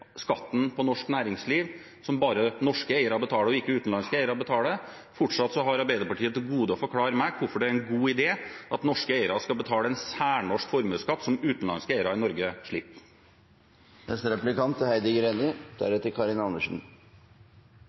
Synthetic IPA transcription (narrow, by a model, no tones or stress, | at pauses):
skɑt̪ːn̩pʰɔnɔʂknæːɾɪŋsliːʋ | sɔmbɑːɾənɔʂkəeɪəɾɑɾbət̪ʰɑːləɔɪkːəʉːt̪n̩lɑnskəeɪəɾɑbət̪ʰɑːlə | fɔʈʂɑt̪ːsɔɦɑɾɑɾbæɪd̪əpɑʈʰiːət̪ɡuːd̪əɔfɔɾkʰlɑːɾəmækʰʋʊɾfɔɖɛæɾɛnɡuːɪd̪eːʔɑt̪nɔʂkəeɪəɾɑskɑlbət̪ʰɑːləɛnsæːɳɔʂkfɔɾmʉːskɑt̪ːsɔmʉːt̪nlɑ̰nskəeɪəɾɑɪnɔɾɡəʂɭɪpː | nɛst̪əɾɛplɪkɑnt̪hæɪd̪ɪɡɾeːnɪd̪̥æ̰ɾɛt̪ːəkʰɑɾɪnɑnəʂn̩